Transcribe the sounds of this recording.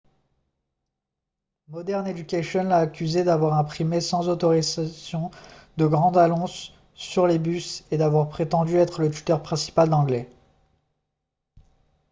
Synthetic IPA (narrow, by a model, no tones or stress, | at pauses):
mɔd̪ɛʁned̪ykʲaʃjɔnlaːkʲyzed̪avwaʁɛ̃pχimesɑ̃zot̪ɔʁizasjɔ̃d̪əɡʁɑ̃d̪anɔ̃sː | yʁlebysed̪avwaʁpχet̪ɑ̃d̪yɛt̪χələt̪y̥t̪œʁpχɛ̃si̥pald̪ɑ̃ɡlɛ